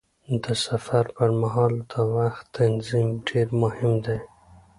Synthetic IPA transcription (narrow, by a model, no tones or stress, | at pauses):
d̪əsafaɾpəɾmaɦɑld̪əwaxt̪ːanzimɖeɾmʊhɪmd̪e